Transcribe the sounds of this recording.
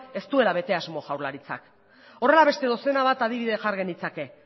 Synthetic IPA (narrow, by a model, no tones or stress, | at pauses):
e̞st̪ue̞laβe̞t̪e̞azmo̞ʝawɾlaɾit͡sa̰k | o̞re̞laβe̞st̪e̞ðo̞senaβat̪að̞iβ̞iðe̞ʝaɾɣe̞nit͡sake̞